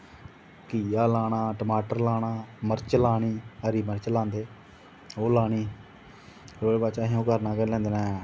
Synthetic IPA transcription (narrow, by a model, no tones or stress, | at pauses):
kiːjaːlaːɽ̃ãːʈəmaːʈəɾlaːɽaːməɾt͡ʃəlaːɽ̃iːəɾiːməɾt͡ʃlãːnd̪eː | oːlaːɽ̃iː | ɾoːleːbaːt͡ʃaːɦẽːõːkəɾnãːkɛlɛ̃ːnd̪enɛ̃ː